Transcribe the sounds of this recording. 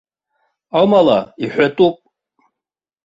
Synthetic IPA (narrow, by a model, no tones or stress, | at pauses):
amalaiħʷᶣatʼupʼ